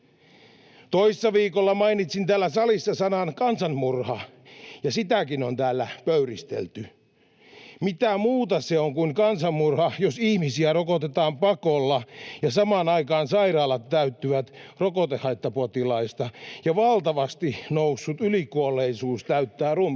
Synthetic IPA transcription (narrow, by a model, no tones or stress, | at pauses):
t̪oissːɑʋiːkolːɑmɑinit̪sint̪æːlːæsɑlisːɑsɑnɑnkɑnsɑnmurhɑ | jɑsit̪ækinont̪æːlːæpøyrist̪ḛlt̪y | mit̪æmuːt̪ɑseoŋkuiŋkɑnsɑmːurhɑjosihmisiærokot̪et̪ɑːmpɑkolːɑjɑsɑmɑːnɑikɑːnsɑirɑːlːɑt̪ːæyt̪ːyʋæt̪rokot̪ehɑit̪ːɑpot̪ilɑist̪ɑjɑʋɑlt̪ɑʋɑst̪inousːut̪ylikuolːˑeisuːst̪æyt̪ːæːrum